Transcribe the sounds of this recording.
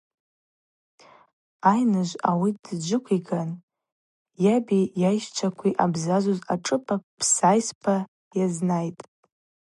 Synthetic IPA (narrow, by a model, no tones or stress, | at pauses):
ajnɨʒʷawidd͡ʒʷɨkʷʰiɡan | jabijajʃt͡ʃʷʰakʷʰiʔabzazozaʈ͡ʂʼɨpʰapʰsajspʰa | jaznajtʼ